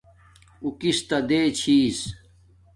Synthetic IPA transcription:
ukist̪ɐd̪eːt͡ɕʰiːs

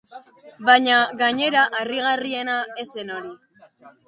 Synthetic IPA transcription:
baɲaɣaɲe̞ɾaʔariɣ̞arie̞nae̞se̞no̞ɾi

